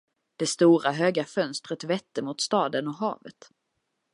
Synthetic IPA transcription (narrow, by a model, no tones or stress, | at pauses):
d̪̥ɛst̪uːɾaɦøːɡafœnst̪ɾət̪vɛt̪ːəmʊt̪st̪ɑːd̪ənɔɦɑ̰ːvə̰t̪